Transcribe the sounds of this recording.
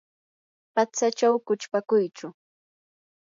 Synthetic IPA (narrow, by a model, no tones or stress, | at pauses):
pat͡sat͡ʃawkʊt͡ʃpakʊjt͡ʃʊ